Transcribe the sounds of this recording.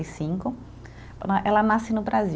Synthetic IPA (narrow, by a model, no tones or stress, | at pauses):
isĩŋkʊ | pnaʔɛlɐnasɪnʊbɾazi